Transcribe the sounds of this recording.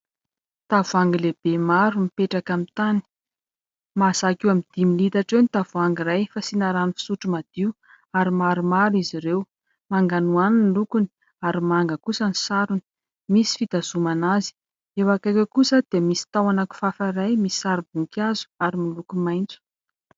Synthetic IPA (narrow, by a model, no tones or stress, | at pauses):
t̪avuaŋɡileb̥emaɾumipeʈ͡ʂakamit̪ani̥ | maz̥akiwamid̪̥imilit̪aʈ͡ʂewnit̪avaŋɡirajfasinaɾanufi̥suʈ͡ʂumad̪̥iw | aɾimaɾumaɾiziɾew | maŋɡanuaninilukuni̥ | aɾimaŋɡəkusənisaɾuni̥ | misi̥fit̪az̥umanazi̥ | ewakakʲakusəd̪̥iəmisi̥t̪awanaku̥fafaɾajmisi̥saɾibuŋkʲazu̥aɾimilukumajnt͡su̥